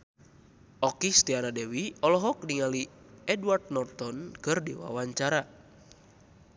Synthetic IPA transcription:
ɔkist̪ianadewiɔlɔɦɔkniŋali | ɛdwart̪̚nɔrt̪ɔnkɨrdewa̰waɲt͡ʃaɾa

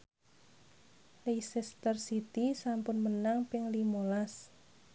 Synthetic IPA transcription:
leisɛst̪ərsit̪isampʊnmənaŋpɪŋlimolas

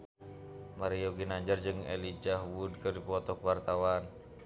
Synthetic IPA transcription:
maɾiɔɡinaɲd͡ʒərd͡ʒɨŋɛ̰lid͡ʒaɦwud̚kɨrdipɔt̪ɔkuwart̪awan

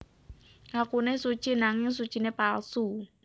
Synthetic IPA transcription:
akunesut͡ʃinaŋeŋs̬ut͡ʃinepalsu

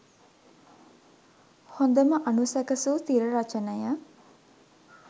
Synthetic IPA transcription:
hond̪əməʔanusækəsuːt̪iɾəɾat͡ʃənəjə

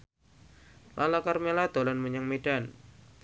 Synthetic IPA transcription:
lʔalakarmelad̪olanməɲaŋmeɖ̥an

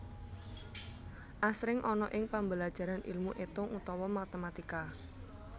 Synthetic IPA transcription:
ʔasɾɪŋʔɔnɔʔɪŋpambəlad̥ʒ̥a̤ɾanʔḭlmuʔet̪ʊŋʔut̪ɔwɔmat̪əmat̪ika

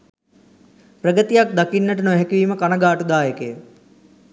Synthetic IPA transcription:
prəɡət̪ijak̚d̪akinːəʈənoɦɛkiʋiːməkanɐɡaːʈud̪aːjekejə

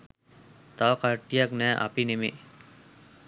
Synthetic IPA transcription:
t̪awkaɹʈijaknɛʔa̰pinemḭ

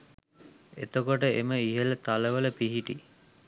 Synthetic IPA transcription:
et̪okoʈəeməiɦələt̪aləʋələpiɦiʈi

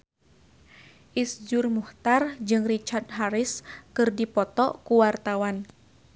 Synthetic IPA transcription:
ʔisd͡ʒʊrmuht̪ard͡ʒɨŋrit͡ʃard̪̚ɦaɾɪskɨrdipɔt̪ɔʔkuwart̪awan

